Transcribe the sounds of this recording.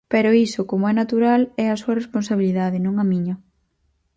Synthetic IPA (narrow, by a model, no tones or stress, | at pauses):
peɾoisokomoɛnat̪uɾalɛasuɐresponsaβiliðaðɪnũŋamiɲʊ